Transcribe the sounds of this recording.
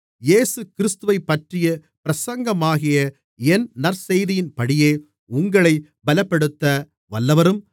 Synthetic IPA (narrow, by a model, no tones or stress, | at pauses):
jeːsɯkɪɾɪst̪ɯʋɐɪpːɐʈrɪjɐpɪɾɐsɐŋɡɐmaːɣɪjɐ | ɛnnɐɾsɛjðɪjɪnpɐɽɪjeː | ʊŋɡɐɭɐɪ | bɐlɐpːɐɽɯt̪ːɐ | ʋɐlːɐʋɐɾɯm